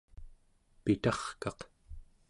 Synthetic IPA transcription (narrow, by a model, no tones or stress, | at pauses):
pit̪ɑχkɑq